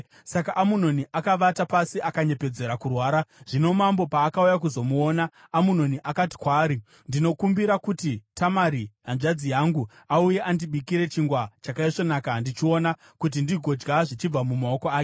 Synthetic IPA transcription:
sakaʔamuno̞niʔakaʋatapasiʔakaɲe̞pe̞d͡ze̞ɾakurwaːɾaʐ̥ino̞mambo̞paːkaujak̬uzo̞muo̞ːnaː | muno̞niʔakati̥kwaːɾi | ndino̞kumbiɾakutitamaɾiɦanʐad͡zijaŋɡu | auje̞ʔandiɓikiɾe̞t͡ʃiŋɡwat͡ʃakaiʂo̞nakandit͡ʃio̞na | kut̬indiɡʱo̞d͡ʒɡaʐit͡ʃib͡vamumao̞ko̞aːke

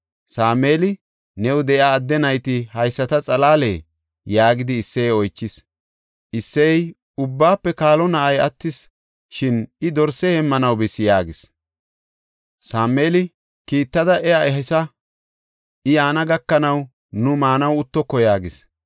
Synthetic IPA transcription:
saːme̞ːlɪ | nɛwd̪ɛʔjaːd̪ːɛnɐjt̪ɪhɐjsːɐt̪ɐt͡sʼɐlaːlḛː | jaːɡɪd̪ɪːsːɛjɔjt͡ʃːɪs | ʔɪsːɛj | ʊbːaːpːɛkaːlɔnɐʔɐjɐt̪ːɪs | ʃɪnɪd̪ɔɾsɛhɛmːɐnɐwbɪsːɪjaːɡɪs | saːme̞ːlɪ | kiːt̪ːɐd̪ɐʔɛjaɛɦɛsɐ | ʔɪjaːnɐɡɐkːɐnɐw | nʊmaːnɐwʊt̪ːɔkːɔjaːɡɪs

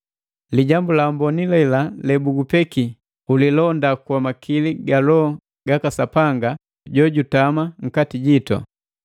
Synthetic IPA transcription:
liɟambulambɔnilɛlalɛbuɡupɛki | ulilɔndakwamakʰiliɡalɔ | ɡakasapaŋɡa | ɟɔɟutamaŋ̩katiɟitɔ̰

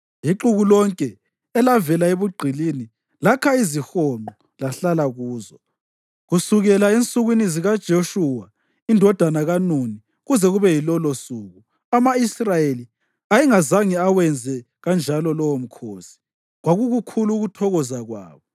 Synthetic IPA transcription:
jiǃuɣulɔŋkʼɛ | ɛlavɛlaeβuɡ͡ǃʱilini | lakʰaizixɔmɔ | laɬalaɣuːzɔ | ɣusuɣɛlaent͡sʼuɣwiniziɣad̥ʒ̥ʱoʃuwa | indʱɔd̥ʱanaɣanuni | ɣuzɛɣuβɛjilɔlɔsuːɣu | amaisrajeli | ajiŋazaŋiawɛnd͡zʱɛ | ɣand͡ʒʱalɔlɔwom̩kʰoːsi̥ | ɣwaɣuɣukʰuluɣutʰɔɣɔzaɣwa̰ːβɔ

